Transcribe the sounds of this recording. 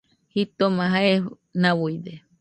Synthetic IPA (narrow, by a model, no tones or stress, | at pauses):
hit̪omãɦae | nawuid̪e